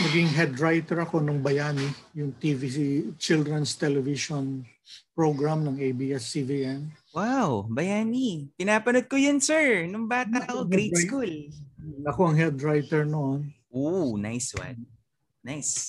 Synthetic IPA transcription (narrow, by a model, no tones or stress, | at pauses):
nɐɡɪŋɦɛd̪ɾajt̪ɛɹɐko̞nʊŋbɐjaːnijʊŋt̪iviit͡ʃɪld̪ɾɛnst̪ɛlɛviʃon | pɹoɡɹamnɐŋejbiɛsːiviʔɛn | wawbɐjaːnikɪnaːpɐnod̪̚kojonsɛɹnʊŋbaːt̪ɐʔɐkoɡɡɾejtskulnɐko̞ɐŋhɛd̪ɹajt̪ɛɹnoʔonʔona̰jswɐ̰n | najs